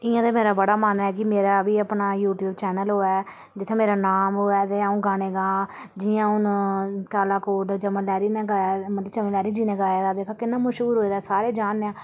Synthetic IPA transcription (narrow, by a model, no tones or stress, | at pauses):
ɪãːd̪eːmeːɾaːbəɽaːmaːnɛːkɪmeːɾaːbiːəpɳaːjuːʈjuːbt͡ʃɛːnəlɦoːɛː | d͡ʒɪt̪ʰːẽːmeːɾaːnaːmɦoːɛːt̪eːaũːɡaːɽ̃eːɡãː | d͡ʒiːãːʊnkaːlaːkoːɖt͡ʃəməlɛːɾiːnɛ̃ːɡaːmət̪lət͡ʃəmẽlɛːɾiːd͡ʒiːnɛ̃ːɡaːaːd̪aːd̪eːkʰaːkɪnːaːməʃɦuːɾɦoːiːd̪aːɛːsaːɾeːd͡ʒaːneãː